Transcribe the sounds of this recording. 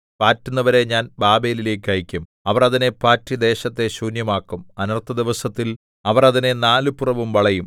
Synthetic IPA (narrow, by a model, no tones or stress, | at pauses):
paːtːunːɐʋɐɾe̞ɲaːnbaːbejilile̞ːkʲːɐjikʲːum | ɐʋɐrɐðine̞paːtːid̪e̞ːɕɐt̪ːe̞ɕuːnjɐmaːkːumɐnɐrt̪ːɐd̪iʋɐsɐt̪ːil | ɐʋɐrɐðinenaːlɨpurɐʋumʋɐɭɐjum